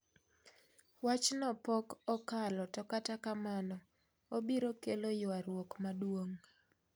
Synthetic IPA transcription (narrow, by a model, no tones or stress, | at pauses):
wat͡ʃnɔpɔkɔkalɔtɔkatakamanɔ | obiɾokelojʊaɾwokmadwoŋ